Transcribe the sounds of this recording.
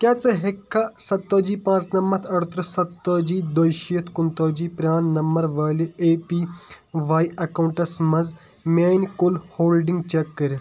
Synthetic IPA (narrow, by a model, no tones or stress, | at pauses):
kjaːt͡sɐɦekʰːasɐt̪ːoːd͡ʒiːpãːt͡snɐmːɐt̪ʰɐɾt̪ɾsɐt̪ːoːd͡ʒiːd̪oːjʃiɐt̪ʰkʊnt̪oːd͡ʒiːpɾʲaːnːɐmɐɾʋɐːlieːpiːʋaːiʔɐkɐuɳʈɐsmɐz | meːnkʊlhoːlɖiŋɡt͡ʃekːɐɾ